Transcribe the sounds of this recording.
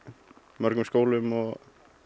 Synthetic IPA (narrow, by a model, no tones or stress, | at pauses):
mœɾkʏmskoːwlʏmɔɣ